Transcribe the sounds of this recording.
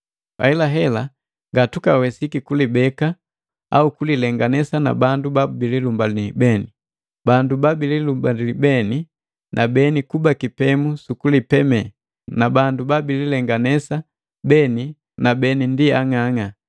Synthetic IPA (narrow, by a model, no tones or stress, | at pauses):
wa̰ilaɦɛla | ŋɡatukawɛsikikulibɛka | a̰ukulilɛŋɡanɛsana̰bandubabililumbalibɛni | bandubabililumbalilibɛni | nʔabɛnikubakipɛmusukulipɛmɛ | nabandubabililɛŋɡanɛsa | bɛni | nabɛnindiaŋaŋa